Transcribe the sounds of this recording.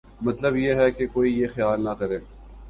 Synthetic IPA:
mɐt̪ləbjeɦɛkekoːijexɪjaːlnɐkɐɾeː

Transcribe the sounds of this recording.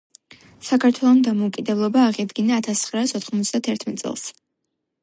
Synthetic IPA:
sakʰaɾt̪ʰwɛlˠɔmd̪amɔukʼid̪ɛblˠɔbaːʁid̪ɡinaːt̪ʰast̪sʰχɾaːsɔt̪ʰχmɔt̪sd̪at̪ʰɛɾt̪ʰmɛt̪sʼɛ̰lˠs

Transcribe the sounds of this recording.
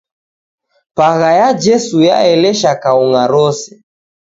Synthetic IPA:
paɣajad͡ʒɛsuja̰ɛlɛʃakauŋaɾɔsɛ̥

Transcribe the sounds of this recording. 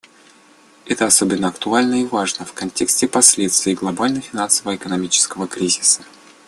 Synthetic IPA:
ɛt̪əɐsobʲɪnːəɐkt̪ʊalʲnəɪvaʐnəfkɐnʲtʲeksʲtʲɪpɐsʲlʲet̪st̪vɪːɡlˠɐbalʲnəfʲɪnansəvəɪkənɐmʲit͡ɕɪ̥skəvəkɾʲizʲɪsə

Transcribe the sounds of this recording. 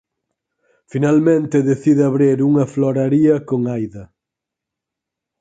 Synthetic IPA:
finalmẽnt̪eðeθiðɪaβɾeɾuŋɐfloɾaɾiɐkoŋajðɐ

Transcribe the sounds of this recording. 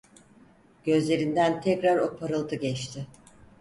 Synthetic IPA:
ɟ̥ø̞zlʲe̞ɾind̪ænt̪ʰɛcɾaɾo̞pʰaɾɯlˠt̪ʰɯɟɛt͡ʃt̪ʰɪ

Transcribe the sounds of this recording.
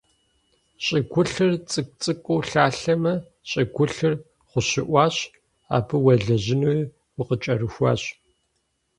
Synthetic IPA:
ɕʼɪɡʷʊɬɨrt͡sʼɨk̚ʷt͡sʼɨkʷʼowɬaːɬɐmɐ | ɕʼɪɡʷʊɬɨr | χʷʊɕɪʔʷɑːɕ | a̰ːbɨwɐɮɐʑɪnuj | wʊqət͡ʃʼɐɾɨxʷɑ̰ːɕ

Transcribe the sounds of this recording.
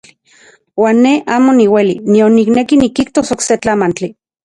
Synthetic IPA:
waːnːeʔaːmoniwelinionːiknekinikiht̪osokset͡ɬamant͡ɬi

